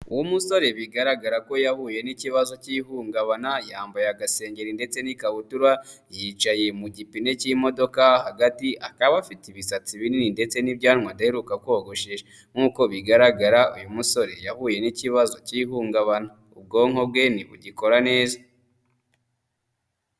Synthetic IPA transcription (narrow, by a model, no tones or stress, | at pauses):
ṵwumuso̞ɾe̞βiɡaɾaɡaɾako̞jahuje̞niciβazo̞ciɦuːŋɡaβanajaːmbajaɡase̞ːɲɟe̞ɾinde̞t͡se̞nikaβutuɾwajiːt͡ʃaje̞muɟipine̞cimo̞do̞kahaɡatiʔakaβafitiβisat͡siβinininde̞t͡se̞nibɟaːnŋwandaheɾukakwo̞ɡo̞ʃeʒe | ŋ̥uːko̞βiɡaɾaɡaɾaujumuso̞ɾe̞jahuːje̞niciβazo̞ciɦuːŋɡaβana | ub̚ɡo̞ːŋo̞bɡe̞niβuɟiko̞ɾane̞ːza